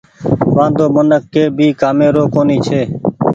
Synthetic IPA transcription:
ʋãːnd̪oːmənəkːeːbʱiːkaːmeːɾoːkoːniːt͡ʃʰeː

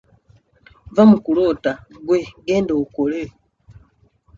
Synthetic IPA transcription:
vamukulotaɡweɡeːndoukole

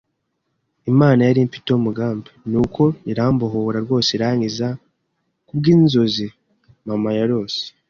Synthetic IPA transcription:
imaːnajaɾimpi̥tumuɡaːmbenukʰo̞iɾaːmboɦoβuɾaɾɡo̞ːseiɾaɲiza | kubɡiːnzo̞zi | mamajaɾo̞ːse̥

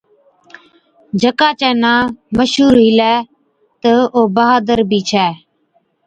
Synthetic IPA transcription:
d͡ʒʱəkaːt͡ʃɛːnãːməʃuːɾɦɪlɛː | t̪əoːbəɦaːd̪əɾbʱiːt͡ʃʰɛː

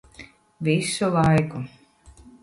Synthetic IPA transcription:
vʲisulajku

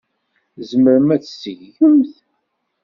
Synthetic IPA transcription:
zəməɾmæt͡ssəʝəmθ

